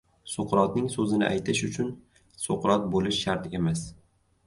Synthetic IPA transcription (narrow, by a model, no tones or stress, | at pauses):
soqʰɾɒt̪nɪŋsɵzɪnɪ̰ʔa̰jt̪ʰɪʃʊt͡ʃʰʊn | soqʰɾɒt̪̚bolɪʃːaɾt̪ʰe̞mas